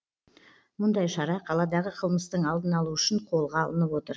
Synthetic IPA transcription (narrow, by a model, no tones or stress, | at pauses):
mʊnd̪ɑjʃɑɾɑqʰɑlˠɑd̪ɑʁəqʰəlˠməst̪əɴɑlˠd̪ənɑlˠuʏʃɪɴqʰo̞lˠʁɑɑ̰lˠənəpwo̞t̪əɾ